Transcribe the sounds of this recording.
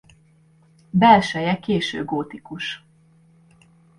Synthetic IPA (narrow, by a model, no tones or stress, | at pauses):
bɛlʃɛjɛkeːʃø̰ːɡoːt̪ikuʃ